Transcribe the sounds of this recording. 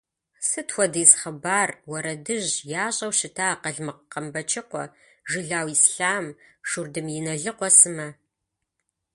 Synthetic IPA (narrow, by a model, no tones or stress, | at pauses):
sɨtʰwʷɔdiːsχɐbaːrwɔɾɐdɨʑjaːɕʼɐwɕɪtʰaːqɐɮmɨqqɐmbɐt͡ʃʰʼɪqʷɔ̰ | ʒɨɮaːwisɬaːmʃurdɨmjɪnɐɮɨqʷɔsɨmɐ